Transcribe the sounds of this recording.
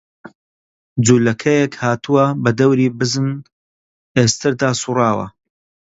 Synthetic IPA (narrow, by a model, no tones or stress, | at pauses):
d͡zuːlɐkʰɐjekhaːt̪ʰuwɐbɐd̪ɐwɾiːbɨzɨn | eːst̪ʰɨɾd̪aːsurɑːwɐ̰